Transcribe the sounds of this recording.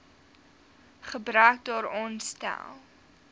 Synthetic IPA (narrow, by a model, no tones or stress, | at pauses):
χəbɾœːk̚dɑːɾɔnstæ̰lˠ